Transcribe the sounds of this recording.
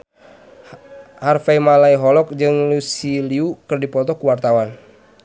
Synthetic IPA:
harfaimalaiɦɔlɔk̚d͡ʒɨŋlusiliukɨrdipɔt̪ɔkuwart̪awan

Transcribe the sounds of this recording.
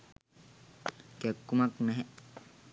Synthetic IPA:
kekːumaknɛɦɛ

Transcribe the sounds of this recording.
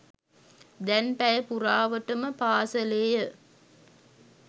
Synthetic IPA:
d̪ɛnpæjəpuɾaːʋəʈəməpaːsəleːjə

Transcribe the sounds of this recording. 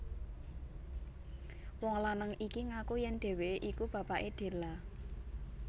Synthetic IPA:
wɔŋlanəŋikiŋakujɛnɖ̪̥e̤weʔikub̥ä̤paʔeɖ̪̥e̤la

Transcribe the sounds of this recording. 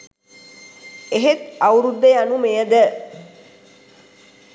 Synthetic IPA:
eɦet̪auɾud̪ːejanumejəd̪ə

